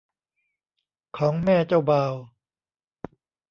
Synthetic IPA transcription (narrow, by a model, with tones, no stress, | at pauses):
kʰɔː˩˦ŋmɛː˥˩t͡ɕa˥˩wbaː˧w